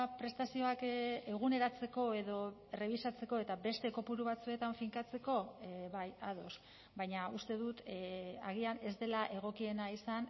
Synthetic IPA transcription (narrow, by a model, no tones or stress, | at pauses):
pɾe̞st̪asio̞ake̞ɣ̞une̞ɾat͡se̞ko̞e̞ðo̞e̞re̞β̞isat͡se̞ko̞e̞t̪abe̞st̪e̞ko̞puɾuβat͡sue̞t̪aɱfiŋkat͡se̞ko̞βajaðo̞s | bajɲaust̪e̞ðut̪aɣ̞iane̞zd̪e̞laʔe̞ɣ̞o̞kie̞naisan